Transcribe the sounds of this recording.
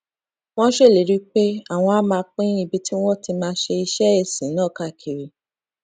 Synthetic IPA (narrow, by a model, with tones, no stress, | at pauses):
w̃ɔ̃˦ʃe˦˨le˨˦ɾi˦k͡pe˦a˦˨w̃ɔ̃˧a˦mãː˧k͡pĩ˦i˦˧˨bi˧ti˦w̃ɔ̃˦ti˧mãː˧˦ʃe˧i˧ʃɛ˦e˦˨sĩ˨˦nãː˦˨ka˦˨kʰi˨ɾi˨˦